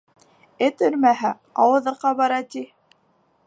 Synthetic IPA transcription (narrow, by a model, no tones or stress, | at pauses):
ɘt̪ɵɾmæɦæ | ɑwɤ̆ðɤ̆qːɑβɑɾɑt̪i